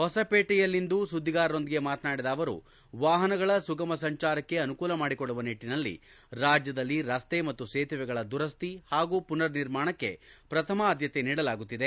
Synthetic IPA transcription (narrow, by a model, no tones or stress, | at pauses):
ɦɔsɐpeːʈɛjɐlːind̪usud̪ʱːiɡaːɾɾo̞nd̪iɡe̞maːt̪naːɽid̪ɐːʋɐɾṵ | ʋaːɦɐnɐɡɐɭɐsuɡɐmɐsɐɲt͡ʃaːɾɐkːe̞ɐnukuːlɐmaːɽikɔɭːuʋɐniʈːinɐlːḭ | ɾaːd͡ʒjɐd̪ɐlːiɾɐst̪emɐt̪ːuseːt̪ʰɐʋɛɡɐɭɐd̪uɾɐst̪ihaːɡuːpunɐɾniɾmaːɳɐkːe̞̰pɾɐt̪ʰɐmɐːd̪jɐt̪eniːɽɐlaːɡut̪ːid̪e̞